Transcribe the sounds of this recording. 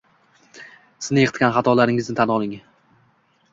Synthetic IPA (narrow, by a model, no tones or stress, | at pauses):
sɪznɪjeqʰɨt̪̚kʲanχat̪ʰɒlaɾɪŋɪznɪt̪ʰanɒlˠɪŋ